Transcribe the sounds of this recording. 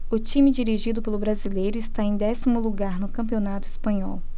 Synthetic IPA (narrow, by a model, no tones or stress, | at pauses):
ʊt͡ʃĩmid͡ʒiɾiʒid̪ʊpelʊbɾazilejɾʊɪst̪aẽj̃d̪ɛsimʊluɡaɾnʊkɐ̃mpionat̪ʊispɐ̃ɲɔw